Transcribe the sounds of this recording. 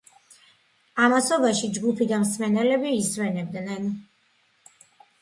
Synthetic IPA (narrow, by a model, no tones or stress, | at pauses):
amasɔbaʃid͡ʒɡupʰid̪amsmɛnɛlɛbiːsmɛnɛb̚d̪nɛn